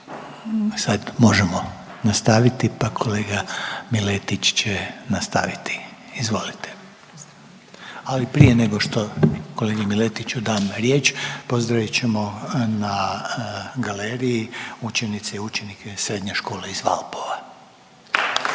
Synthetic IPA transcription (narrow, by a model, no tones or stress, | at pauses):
sad̪mo̞ʒemo̞ | nast̪aʋit̪ipakʰo̞leːɡamilet̪it͡ʃt͡ɕenast̪a̰ʋit̪i̥izʋo̞lit̪e | alipɾijeneɡo̞ʃt̪o̞ko̞leːɡimilet̪it͡ɕud̪aːmɾje̞ːt͡ʃpo̞zd̪ɾaʋit͡ɕe̞mo̞na | ɡaleːɾijiut͡ʃe̞nit̪seiut͡ʃe̞nikʰesɾe̞ːd̪ɲeʃko̞ːleizʋa̰lpo̞ʋa